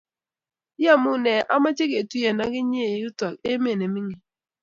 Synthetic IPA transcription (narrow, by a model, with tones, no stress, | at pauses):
a˦mu˦nɛ˨ʔa˦ma˦t͡ʃe˦ke˨tu˦je˨na˦ɡɪ˦ɲe˦˨ju˦ta˨ke˦m˦e˨ne˨mi˦ŋi˨